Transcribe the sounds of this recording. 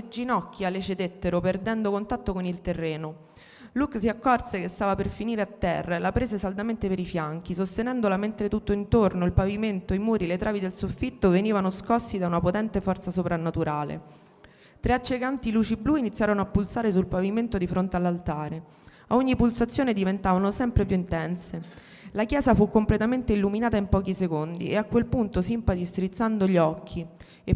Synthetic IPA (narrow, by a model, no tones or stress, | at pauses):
ed͡ʒinɔkːjalet͡ʃed̪et̪ːeɾoperd̪ɛnd̪okont̪at̪ːokonilt̪erːeːno | luksiakːɔrsekest̪aːvaperfiniːɾeat̪ːɛ̰rːalapɾeːzesald̪ament̪epeɾifjaŋk̟isost̪enɛnd̪olament̪ɾet̪ut̪ːoint̪ornoilpaviment̪oimuːɾilet̪ɾaːvid̪elsofːit̪ːoveniːvanoskɔsːid̪aunapot̪ɛnt̪efɔrt̪sasopɾanːat̪uɾaːlḛ | t̪ɾeat͡ʃːekant̪iluːt͡ʃibluinit̪sːjaːɾonoapːulsaːɾesulpaviment̪od̪ifɾont̪ealːalt̪aːɾe | aoɲːipulsat̪sːjoːned̪ivent̪aːvanosɛmpɾepjuint̪ɛnse | lakjɛːzafukːomplet̪ament̪eilːuminaːt̪aimpɔːkisekond̪ḭeakːwelpunt̪osimpad̪ist̪ɾit̪sːand̪oʎiɔkʰːi | e